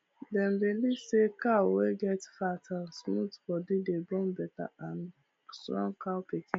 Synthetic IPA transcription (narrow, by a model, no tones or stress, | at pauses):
dɛ̃nbelisekaweɡɛtfatãnsmutfɔdidebɔ̃mbɛta̰ãn | stɹɔ̰̃ŋkapikʰĩn